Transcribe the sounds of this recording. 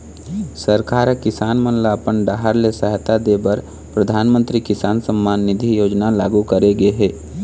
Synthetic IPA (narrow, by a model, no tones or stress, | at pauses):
səɾkaːɾkɪsaːnmənlapəɳɖaːɦəɾlesəɦt̪ad̪ebəɾ | pɾəd̪ʱaːnmə̃nt̪ɾikɪsaːnsə̃mːaːnːɪd̪ʱijoːd͡ʒnala̰ːɡukəɾeɡəeɦɛː